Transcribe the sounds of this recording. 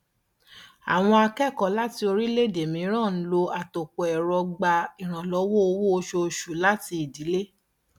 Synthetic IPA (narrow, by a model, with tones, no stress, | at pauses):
a̰˨w̃ɔ̃˧a˧kɛ˦˨kɔ˨˦la˦ti˧o˧ɾi˦le˦˨de˨mĩ˨˦ɾ̃ã˦˨n̩˦lo˧a˨to˨k͡pɔ˨ɛ˨ɾɔ˧ɡ͡ba˧i˨ɾ̃ã˨lɔ˨˦wo˦o˧wo˦o˧ʃo˧ʃu˨la˦ti˧i˨di˨˦le˦